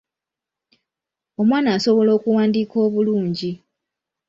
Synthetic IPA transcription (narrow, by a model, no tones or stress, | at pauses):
o̞mwaːnaːso̞βo̞lo̞ːkuwaːndiːko̞ːβuluːɲɟi